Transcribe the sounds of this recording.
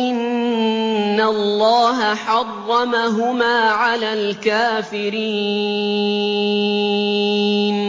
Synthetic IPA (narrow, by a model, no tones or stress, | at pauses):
ʔɪnː | alˤːɑːɦaħɑrˤːɑmaɦʊmaːʕalaːlkaːfɪɾiː | n